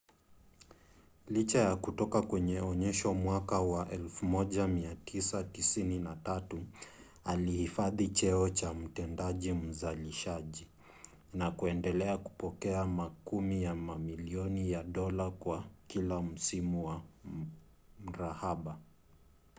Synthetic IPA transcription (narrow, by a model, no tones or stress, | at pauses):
lit͡ʃajakutɔkakwɛɲɛɔɲɛʃɔmwakawaʔɛlfumɔʄamiatʰisatisininatatu | alihifaðit͡ʃɛɔt͡ʃam̩tɛndaʄim̩zaliʃaʄi | nakuɛndɛlɛaku̥pɔkɛamakumijamamiliɔnijaɗɔlakwakilam̩simuwa | m̩ɾahaɓa